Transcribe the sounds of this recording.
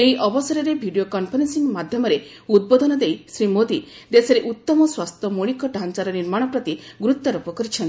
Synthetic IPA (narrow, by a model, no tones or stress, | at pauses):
eɦiʔɔbɔsɔɾɔɾebʱiɖijokɔmpʰɔnensiŋmad̪ʱjɔmɔɾeud̪̚bod̪ɔnɔd̪ejsɾimod̪i | d̪esɔɾeʔut̪ːɔmɔswast̪ʰɔmuɭikɔɖʱant͡ʃaɾɔniɾmaɽ̃ɔpɾɔt̪iɡɾut̪ːɔɾɔpɔkɔɾit͡ʃʰɔni